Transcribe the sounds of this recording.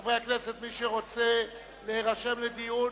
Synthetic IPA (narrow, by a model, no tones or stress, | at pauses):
vʁeakneset̪miʃeʁo̞t͡se̞ | le̞heʁaʃe̞mled̪iju